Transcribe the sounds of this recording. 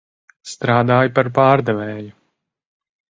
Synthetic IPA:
st̪ɾaːd̪aːjpaɾpaːɾd̪ɛvɛːju

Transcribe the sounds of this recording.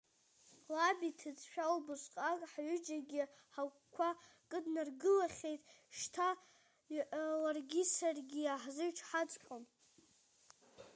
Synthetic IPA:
labitʰɨd͡zʃᶣalbɨʂʷʼqʼakʼħɥʏd͡ʒaɡʲiħa | kʷʰakʼɨdnarɡɨlaχʲejtʼʂtʰa | ʔlarɡʲisarɡʲiaħzɨɥʈ͡ʂʰħat͡sʼkʷʼom

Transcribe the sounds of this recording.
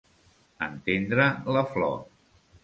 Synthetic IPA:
ə̰nt̪end̪ɾələflɔ̰

